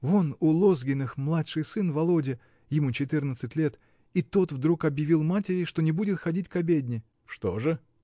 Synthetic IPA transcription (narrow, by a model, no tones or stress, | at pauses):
vonʊlˠo̞zɡʲɪnɨxmlˠatʂɨjsɨnvɐlˠo̞dʲɪ | jɪmut͡ɕɪt̪ɨrnət̪sɨtʲlʲe̞t̪ | it̪o̞t̪vd̪ɾukɐbjɪvʲilˠmatʲɪɾʲɪʂt̪o̞nʲɪbudʲɪt̪xɐdʲitʲkɐbʲedʲnʲɪ | ʂt̪o̞̰ʐɨ